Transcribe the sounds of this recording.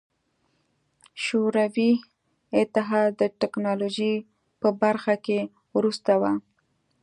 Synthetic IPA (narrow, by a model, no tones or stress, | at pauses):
ʃoɾawi | ɪt̪ɪɦɑd̪əʈɪknɑloʒi | pəbaɾxake | wɾust̪awa